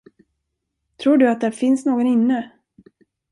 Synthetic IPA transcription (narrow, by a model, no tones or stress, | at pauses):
t̪ʰɾuːɖɵat̪̚d̪æɾfɪnsnoːɡɔnɪnːə